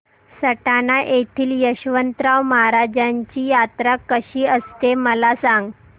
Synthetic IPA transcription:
səʈanaʔet̪ʰiːljəɕʋənt̪ɾawməɦaɾad͡ʑaɲt͡ɕiːjat̪ɾakəɕiːəst̪eməlasaŋɡ

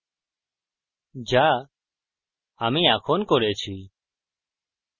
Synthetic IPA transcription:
d͡ʒaː | aːmĩːaːkʰoːnkɔɾeːt͡ʃʰiː

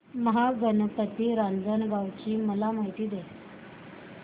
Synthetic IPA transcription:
məɦaɡənəpət̪ːiːɾand͡zənɡaʋt͡ɕiːməlam̤aɦit̪iːd̪e

